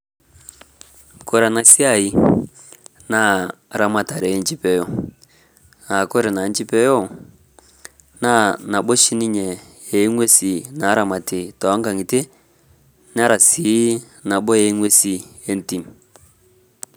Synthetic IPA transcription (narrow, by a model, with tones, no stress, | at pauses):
kɔ˦ɾa˨na˨si˦a˦˨i˨ | na˦˨ɾa˨ma˨ta˨ɾɛ˨ɛ˦n˦t͡ʃi˦pɛ˦jɔ˦ | na˨kɔ˦ɾɛ˨na˨˦n˦t͡ʃi˦pɛ˦jɔ˦˨ | na˦˨na˨ɓɔ˦ʃi˦ni˦ɲɛ˨ | ɛ˨˦ŋwe˦si˨na˨˦ɾa˨ma˨ti˨tɔ˨a˦ŋɡa˨ŋi˨te˦ | n˦a˦ɾa˨si˨˦ | na˨ɓɔ˦jɛ˨˦ŋwe˦si˨ɛ˦n̩˦ti˨m˨